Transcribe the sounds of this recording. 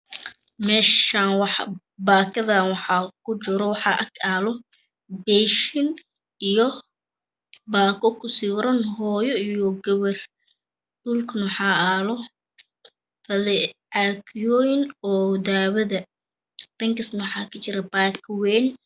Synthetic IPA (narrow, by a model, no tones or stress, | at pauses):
mɛːʃaːnwɑħ | baːkʰɐðɐnwɑħɑːkʰʊt͡ʃɪɾɔwɑħɑʔɐkʰaːlɔ | bɛʃɪn | ijɔ | baːkʰɔkʰʊsiwɾɐnɦɔːjɔijɔɡɐβɐr | ɖʊlknʊħɑːaːlɔ | fɐlɛʕakjɔːjɪnɔːd̪aːwɐðɐ | r̥ɐŋkɐsnɐwħɑːkʰɐt͡ʃɪɾɐbaːkʰwɛːn